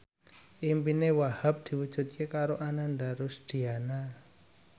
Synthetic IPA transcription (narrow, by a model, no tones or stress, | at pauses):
ʔimpinewahap̚d̪̥i̤wud̥ʒ̥ṳt̪̚kekaɾoʔanaɳɖaɾʊsd̪̥i̤ana